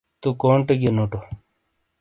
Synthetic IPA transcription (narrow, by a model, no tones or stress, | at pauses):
t̪ukoːɳʈeɡenoːʈo